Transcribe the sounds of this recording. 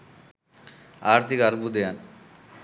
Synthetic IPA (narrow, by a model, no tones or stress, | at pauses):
aɾt̪ʰikaɾbud̪ejan